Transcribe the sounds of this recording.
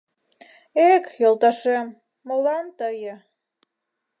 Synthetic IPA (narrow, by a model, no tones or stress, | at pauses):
ekjolˠt̪ɑʃemː | əlɑnt̪əjə